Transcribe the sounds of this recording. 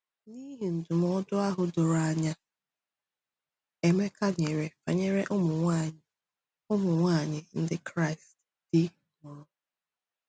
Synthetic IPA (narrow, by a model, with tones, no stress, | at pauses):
ni˦ɦi˨n̩˨dʊ˨m˦ɔ˦dʊ˦a˦ɦʊ˨dʊ˨ɾa˦ɲa˦ | e˨me˦ka˦ɲe˨ɾe˨fa̰˨ɲe˦ɾe˦ʔʊ˦mʊ˨ŋʷa˦˨ɲ˨ | ʊ˦mʊ˨ŋʷaː˦˨ɲɪ˦n̩˦dɪ˦kɾa˦ɪ˨st | d̥ɪ˦ | mʊ˨ɾʊ˨